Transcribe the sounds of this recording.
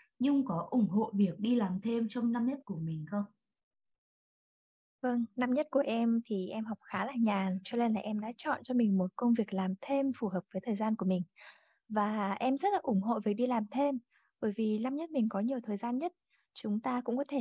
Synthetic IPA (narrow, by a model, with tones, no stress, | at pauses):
ɲɨ˧ŋ͡mkɔ˨˦ʔʊ˧˩ŋ͡mɦo̰˧˨vi˨˩ək̚ɗi˧laː˨˩mt̪ʰe˧mt͡ɕɔ˧wŋ͡mna˧mɲə˦˥t̚ku˧˩əmï˨˩ŋ̟xə˧wŋ͡m | və˧ŋna˧mɲə˦˥t̚ku˧˩əʔɛ˧mt̪ʰi˨˩ʔɛ˧mɦa˨˩wk͡p̚xaː˨˦laː˨˩ɲaː˨˩ŋt͡ɕɔ˧ne˧nlaː˨˩ʔɛ˧mɗa̰ː˧˥t͡ɕɔ̰˧˨nt͡ɕɔ˧mï˨˩ŋ̟mo˨˩t̚kə˧wŋ͡mvi˨˩ək̚laː˨˩mt̪ʰe˧mfu˨˩ɦəː˨˩p̚v̥əː˨˦jt̪ʰəː˨˩jzaː˧nku˧˩əmï˨˩ŋ̟ | vaː˨˩ʔɛ˧mzə˦˥t̚laː˨˩ʔʊ˧˩ŋ͡mɦo̰˧˨vi˨˩ək̚ɗi˧laː˨˩mt̪ʰe˧m | ɓəː˧˩jvi˨˩na˧mɲə˦˥t̚mï˨˩ŋ̟kɔ˨˦ɲi˨˩əwt̪ʰəː˨˩jzaː˧nɲə˦˥t̚ | t͡ɕʊ˨˦ŋ͡mt̪aː˧kʊ̰˧˥ŋ͡mkɔ˨˦t̪ʰe˧˩